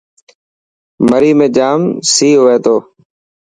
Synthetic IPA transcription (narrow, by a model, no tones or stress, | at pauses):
məɾiːmẽːd͡ʒaːmsiːɦoːeːt̪oː